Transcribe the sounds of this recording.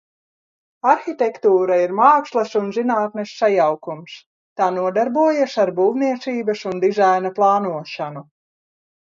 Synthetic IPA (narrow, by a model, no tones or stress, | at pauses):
aɾxit̪ʲɛkt̪uːɾaiɾmaːkslˠɐsunzinaːt̪nɛsːajawkums | t̪aːnuɔd̪aɾbuɔjasaɾbuːwniɛt̪siːbɐsund̪izajnaplˠɑːnuɔʃanu